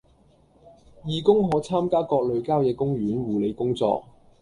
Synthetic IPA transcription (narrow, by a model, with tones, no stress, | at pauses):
jiː˨˧kʊ˥ŋɦɔː˨˥t͡sʰaː˥mkaː˥kɔː˧k̚lɵ˨˧ɥkaː˥wjɛː˨˧kʊ˥ŋjyː˨˥nwuː˨˩le˨˧jkʊ˥ŋt͡sɔ̰ː˧k̚